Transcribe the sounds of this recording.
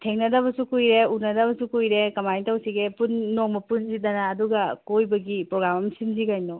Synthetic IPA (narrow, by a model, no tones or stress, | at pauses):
tʰeŋnɐdɐβɐsukujɾeunɐdɐβɐsukujɾekɐmajtɐwsiɡepunːoŋmɐpunzidɐnaːduɡɐkojbɐɡipɾoɡɾamɐmsinzikajnɔ